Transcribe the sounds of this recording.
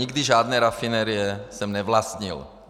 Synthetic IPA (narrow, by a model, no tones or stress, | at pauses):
iɡd̪iʒaːd̪nɛːɾafinɛɾijɛsɛmnɛvlast̪ɲḭl